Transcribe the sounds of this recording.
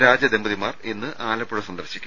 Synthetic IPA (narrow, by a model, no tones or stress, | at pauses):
ɾaːd͡ʑɐd̪e̞mbɐðimaːrenːɨʔaːlɐpːuɽɐsɐnd̪ɐrɕi̥kʲː